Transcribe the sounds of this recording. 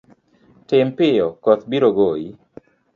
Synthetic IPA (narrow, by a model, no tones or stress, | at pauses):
tɪmpɪjɔkɔt̪biɾoɡoi